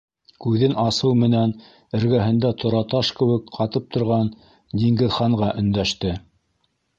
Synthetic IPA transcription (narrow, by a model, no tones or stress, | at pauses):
kʉðɘnʔɑsɤwmɘ̆næn | ɘ̆ɾɡæɦɘ̆nd̪æt̪ʰŏɾɑt̪ɑʃkɘ̆wɘkqɑt̪ɤp̚t̪ʰŏɾʁɑn | d̪iŋɡɘ̆ðχɑɴʁɑʔɵ̆nd̪æʃt̪ɘ